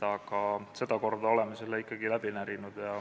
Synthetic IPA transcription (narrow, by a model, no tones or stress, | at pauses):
ɑɡ̥ɑse̞d̪̥ɑko̞rd̪̥ɑo̞lɛmeselːeikːɑɡ̥ilæb̥inæɾinud̪̥jɑ